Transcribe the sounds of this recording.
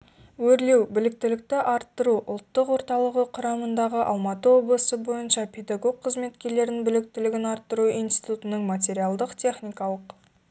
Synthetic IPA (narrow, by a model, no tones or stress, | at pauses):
wɵɾle̞wbɪlɪk̚t̪ɪlɪk̚t̪ɪʔɑɾt̪ːəɾuʔʊlˠt̪ːəqwo̞ɾt̪ɑlˠəʁəqʰʊɾɑmənd̪ɑʁəʔɑ̰lˠmɑt̪əwo̞blˠəsəbo̞jənʃɑpʲʰe̞d̪aɡo̞ɡ̚qʰːəzme̞t̪kʲe̞ɾle̞ɾɪnbɪlɪk̚t̪ɪlɪɡʲɪnɑɾt̪ːəɾuijnsi̥t̪ut̪ənəɴmat̪̬ʲe̞ɾijalˠd̪əqt̪ʲʰe̞χnijkɑlˠəq